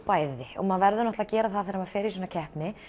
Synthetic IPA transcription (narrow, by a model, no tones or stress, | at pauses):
paːjðɪɔ̰ɣmaðvɛɾðʏnɔht̪laðcɛːɾaðθaðɛɾamaðfɛːɾɪɾisɔːnacʰɛhpnɪ